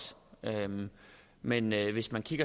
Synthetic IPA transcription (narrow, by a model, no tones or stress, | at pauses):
ø | menʋe̝smænkʰiɡ̥ɐ